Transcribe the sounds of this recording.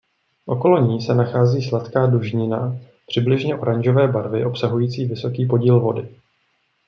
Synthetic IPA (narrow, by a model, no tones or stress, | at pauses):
ʔo̞ko̞lo̞ɲiːsɛnaxaːziːslat̪kaːduʒɲɪna | pr̥ɪblɪʒɲɛʔo̞ɾaɲʒo̞vɛːbaɾvɪʔo̞psaɦujiːt͡siːvɪso̞kiːp̬o̞ɟiːlvo̞dɪ